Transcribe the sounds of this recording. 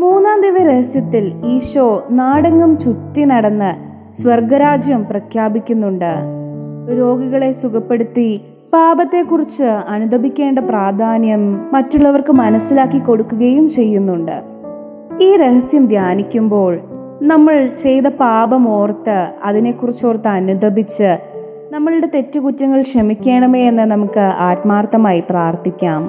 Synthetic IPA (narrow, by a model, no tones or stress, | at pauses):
muːnːaːnd̪iʋɐɾehɐsjɐt̪ːiliːɕoːnaːɽɐŋɡɐmt͡ɕut̪ːinɐɽɐnːɨ | sʋɐrɡɐɾaːd͡ʑjɐmprɐkʰjaːbikʲːunːuɳɖɨ | ɾo̞ːɡɐɣɐɭe̞sukɐpːe̞ɽut̪ːi | paːbɐt̪ːe̞kːurit͡ɕːɨɐnud̪ʱɐbʱikʲːe̞ːɳɖɐpraːd̪ʱaːnjɐmːɐtːuɭːɐʋɐrkɨmɐnɐsːilaːkːikːo̞ɽukːuɣɐjumt͡ɕe̞jːunːuɳɖɨ̰ | iːɾe̞hɐsjɐmd̪ʱjaːnikʲːumbo̞ːɭ | nɐmːɐɭt͡ɕe̞jt̪ɐpaːbɐmo̞ːrt̪ːɨɐðine̞kːurit͡ɕːo̞ːrt̪ːɨɐnud̪ʱɐbʱit͡ɕːɨ | nɐmːɐɭɨɽe̞t̪e̞tːɨkutːɐŋːɐɭkʂɐmikʲːe̞ːɳɐmeenːɨnɐmukːɨaːʈmaːrt̪ɐmaːjipraːrt̪ʰikʲːaːm